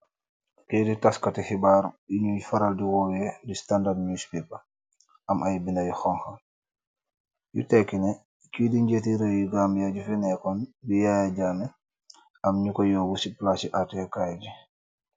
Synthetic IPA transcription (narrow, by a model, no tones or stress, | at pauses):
kiditaskatixibaːɾiɲujfaɾaldiwɔjɛdistandadnuspipa | amʔajbinajixɔŋxa | jṵtɛkːinɛ | kiːdiɲɟetiɾejuɡambjaɟufinɛkɔnbijajaɟaːmɛ | amɲukɔjɔːwusiplasiʔatɛkajaɟi